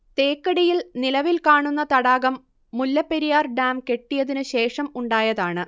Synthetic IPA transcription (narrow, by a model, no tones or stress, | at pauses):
t̪eːkːɐɽijilnilɐʋilkaːɳunːɐt̪ɐɽaːɣɐmː | ulːɐpːeɾijaːrɖaːmke̞ʈːijɐðinɨɕe̞ːʂɐmuɳɖaːjɐðaːɳɨ